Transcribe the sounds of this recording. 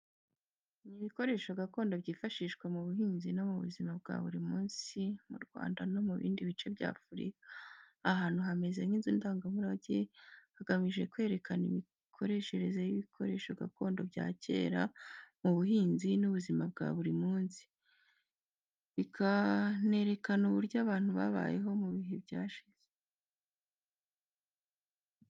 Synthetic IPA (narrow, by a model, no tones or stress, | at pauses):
niβiko̞ɾe̞ːʃo̞ɡako̞ːndobɟiːfaʃiːʃkwamuβuɦiːnzino̞muβṵzimab̚ɡa̰ːβuɾimuːnsimuɾɡwa̰ːndano̞muβḭːndiβit͡ʃe̞bɟa̰ːfuɾḭkaː | ɦaːn̥huɦame̞zeniːnziːndaːŋɡamuɾaɟehaɡamiʒe̞kwe̞ːɾe̞kʰanimi | kʰo̞ɾe̞ʃe̞ɾe̞zejiβikʰo̞ɾe̞ːʃo̞ɡako̞ːndo̞bɟa̰ːce̞̰ːɾamuβuɦiːnzinuβuzimab̚ɡa̰βuɾimuːnzi̥ | ikʰane̞ɾe̞kanuβuɾɟaβaːn̥huβa̰βa̰je̞ɦo̞muβiɦebɟaːʃiz̥e